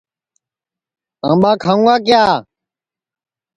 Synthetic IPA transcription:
ã̰ːmɓaːkʰãːɡaːk̬jaː

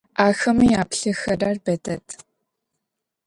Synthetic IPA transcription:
aːxɐmijaːpɬɨxɐraːrbɐdɐtʰ

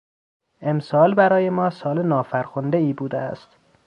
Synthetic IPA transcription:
ʔe̞msɒːlbæɾɒːje̞mɒːsɒːlenɒːfæɾxond̪eiːbuːd̪eæ̰st̪

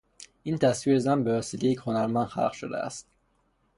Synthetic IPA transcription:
int̪ʰæsviezænbevæselejecʲhonæɾmænxæ̰lχʃod̪æ̰æ̰st̪̚

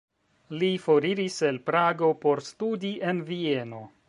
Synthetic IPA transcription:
lifo̞ɾiɾise̞lpɾaɡo̞po̞ɾstudiʔe̞nvie̞no̞

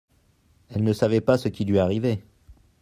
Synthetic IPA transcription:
ɛlnəsavɛpasəkʲilɥiaʁive

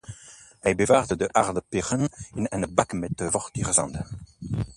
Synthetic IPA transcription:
ɛjbevaːʁd̪əd̪əʔaʁd̪əpeʁəninɛnəbakmɛt̪əvɔʁt̪iʁzɑ̰̃nd̪ə

